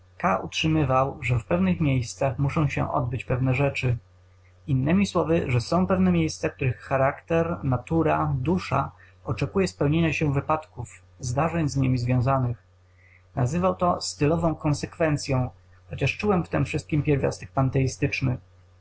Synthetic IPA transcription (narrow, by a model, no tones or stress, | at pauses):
kaʔutʂɘmɘvawʐɛfpɛvnɘxmʲjejst̪saxmuʂɔ̃w̃ɕɛ̰ʔɔ̰d̪̚bɘt͡ɕpɛvnɛʐɛt͡ʂɘ | inːɘmʲiswɔvɘʐɛsɔ̃w̃pɛvnɛmʲjejst̪sak̚t̪uɾɘxːaɾakt̪ɛɾnat̪uɾad̪uʂa̰ | ɔt͡ʂɛkujɛspɛwɲeɲaɕɛvɘpat̪kuf | zd̪aʐɛɲzɲimʲizvʲjɔ̃w̃zanɘx | na̰zɘvawt̪ɔst̪ɘlɔvɔ̃w̃kɔ̃ñsɛkfɛnt̪sʲjɔ̃w̃ | xɔt͡ɕɛʂt͡ʂuwɛmft̪ɛmfʂɘst̪̚kʲimpʲjɛɾvʲjɔ̰st̪ɛk̚pant̪ɛist̪ɘt͡ʂnɘ